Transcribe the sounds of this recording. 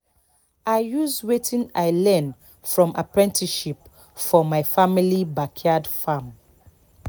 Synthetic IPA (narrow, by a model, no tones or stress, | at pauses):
aɪjuzwetʰĩnaɪlɛ̃n | fɹɔ̃mʔa̰pɹɛ̃ntʰiʃip | fɔmaɪfamilibakʰadfãm